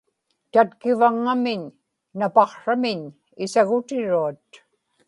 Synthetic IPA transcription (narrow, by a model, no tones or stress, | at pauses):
t̪at̪kɪvaŋːamɪɲː | apɑqʂamɪɲ | ɪsaɣʊt̪ɪɻuat̪̚